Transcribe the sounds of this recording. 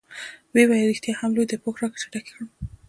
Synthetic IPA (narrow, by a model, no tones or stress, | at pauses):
wewajɾixt̪jɑhamlojd̪əpoxɾɑksaʈakexɽ